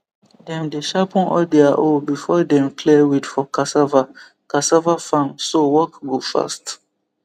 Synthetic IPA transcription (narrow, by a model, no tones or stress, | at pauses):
dɛ̃mdeʃapɔ̃nɔ̰dɛaʔobifɔdɛ̃mkʰlɛwidfɔkʰasava | kasavafãmsowɔkɡofa̰st